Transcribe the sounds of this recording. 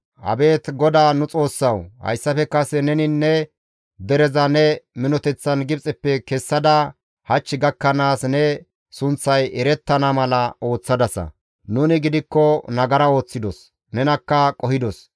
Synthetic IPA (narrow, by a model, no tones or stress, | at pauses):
hɐ̰be̞ːt̪ɡɔd̪aːnʊt͡sʼo̞ːsːɐwhɐ̰jsːɐfɛkːɐsɛnɛnɪnːɛ | d̪ɛɾɛzɐnɛmɪnɔt̪ɛt͡sːɐnɡɪpt͡sʼɛpːɛkɛsːɐd̪ɐ | hɐt͡ʃːɪɡɐkːɐnaːsnɛ | sʊnt͡sːɐjɛɾɛt̪ːɐnɐmɐlɐʔo̞ːt͡sːɐd̪ɐsɐ̰ | nuːnɪɡɪd̪ɪkːɔnɐɡɐɾɐo̞ːt͡sːɪd̪ɔs | nɛnɐkːɐkʼɔhɪd̪ɔs